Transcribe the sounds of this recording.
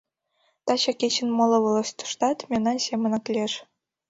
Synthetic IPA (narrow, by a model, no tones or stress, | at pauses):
t̪ɑɕɑkʲet͡ɕɘ̆nmŏlˠɤ̆ʋɤ̆lˠɤ̆ɕt̪ŭ̥ʂt̪ɑt̪mʲenɑnsʲemʲɘ̆nɤ̆klʲeʂ